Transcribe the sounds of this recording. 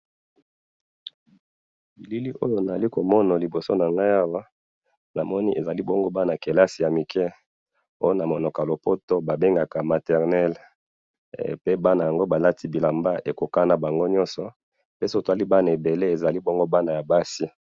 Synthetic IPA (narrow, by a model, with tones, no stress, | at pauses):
bi˨li˦li˦ʔo̰˦jo˦na˨a˨li˦ko˨mɔ˦na˨li˨bo˨so˦na˨ŋɡa˦ja˦wa˦ | na˨mɔ˦ni˦ʔe˨za˨li˦bo˦ŋɡo˦ba˦na˨ke˨la˦si˨ja˨mi˨kʰɛ˦ | o˦jo˦na˨mo˨nɔ˨ka˨lo˨po˦to˦ba˨be˦ŋɡa˨ka˨ma˨tɛ˨ʁnɛ˦l | pe˦ba˦na˨ja˨ŋɡo˦ba˨la˦ti˦bi˨la˨mba˦ʔe˨ko˨ka˦na˨ba˨ŋɡo˦ɲɔ˦nsɔ˨ | pe˦so˦˨to˨a˦li˦ba˦na˨e˨be˨le˦e˨za˨li˦bo˦ŋɡo˦ba˦na˨ja˨ba˦si˦